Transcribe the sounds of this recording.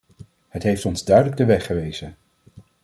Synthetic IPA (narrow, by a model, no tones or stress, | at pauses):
hətɦejftɔnzdœɥdələɡ̚dəʋɛχəʋejz̥ən